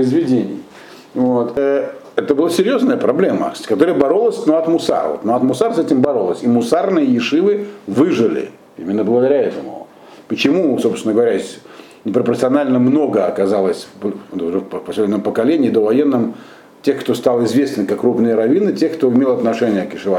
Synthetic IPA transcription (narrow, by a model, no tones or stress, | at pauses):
pəɪzvʲɪdʲenʲɪ̰j | vo̞t̪ʰəɛt̪əbɨlˠasʲɪɾʲjo̞znəjəpɾɐblʲe̞mə̰sʲkɐt̪o̞ɾəjəbɐɾo̞lˠəsʲnoɐt̪mʊsa̰rvot̪noɐt̪mʊsarsɛtʲɪmbɐɾo̞lˠəsʲimʊsarnɨjəjɪʂɨvɨvɨʐɨlʲɪ̰ | ḭmʲɪnːəblˠəɡəd̪ɐɾʲaɛt̪əmʊ̰ | pət͡ɕɪmusopsʲnəɡəvɐɾʲæsʲ | nʲɪpɾəpəɾt̪sɨɐnalʲnəmno̞ɡəɐkɐzalˠəsʲp̪ːʐɛfpfpɐsʲlʲedʲnəmpəkɐlʲenʲɪiːd̪ovɐjenːɨm | tʲexkt̪o̞st̪alˠɪzvʲe̞snɨmkakːrupnɨjəɾɐvʲinɨtʲe̞xkt̪o̞ɪmʲelˠɐt̪nɐʂɛnʲɪjəkjɪʂɨva